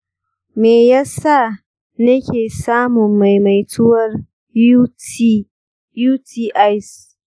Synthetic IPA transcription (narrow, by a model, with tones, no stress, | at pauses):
meː˨jaː˦sa˦˨ | nɐ˦kʲʰeː˨saː˦mʊ˨mːa˨jma˨jtʰʊ˦wɐ˦r | juː˦ti˦ʔa˦js